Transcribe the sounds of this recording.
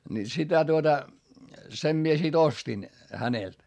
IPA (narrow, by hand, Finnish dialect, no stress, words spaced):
ni sitæ tuotɑ sem mie sit ostin hænelt